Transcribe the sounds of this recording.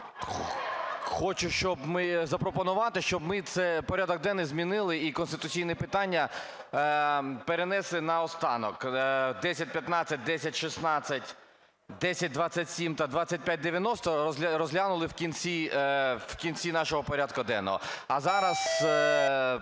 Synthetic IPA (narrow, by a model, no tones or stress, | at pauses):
xɔt͡ʃʊʃt͡ʃɔbmɪzɐpɾɔpɔnʊʋɑt̪ɪʃt͡ʃɔbmɪt̪sɛpɔɾʲad̪ɔɡ̚d̪ɛnːɪzmʲinɪlˠɪikɔnst̪ɪt̪ʊt͡sʲijnɛpɪt̪ɑnʲːɐ | peɾenɛslˠɪnɐɔst̪ɑnɔkd̪ɛsʲɐt̚ʲpʲjɐt̪nɑt͡sʲɐt̚ʲd̪ɛsʲɐtʲʃisnɑt͡sʲːɐtʲ | d̪ɛsʲɐt̚ʲd̪ʋɑt͡sʲɐtʲsʲimt̪ɐd̪ʋɑt͡sʲːɐt̚ʲpʲjat̚ʲd̪eʋʲjɐnɔst̪ɔzʲɾɔzʲɦlʲanʊlˠɪwkʲint͡sʲiwkʲinʲt͡sʲinɑʃɔɦɔpɔɾʲad̪kʊd̪ɛ̰nːɔ̰ɦɔ̰ɐzɑɾɐs